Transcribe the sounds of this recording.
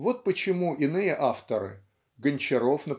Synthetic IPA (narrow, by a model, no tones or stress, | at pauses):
vo̞t̪̚pət͡ɕɪmuʔɪnɨjəʔaft̪əɾɨ̰ | ɡənʲt͡ɕɪɾofnə